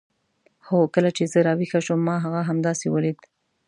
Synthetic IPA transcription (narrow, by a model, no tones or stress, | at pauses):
xokəlat͡ʃezəɾɑwixaʃomːɑɦaɣaɦamd̪ɑsewəlid̪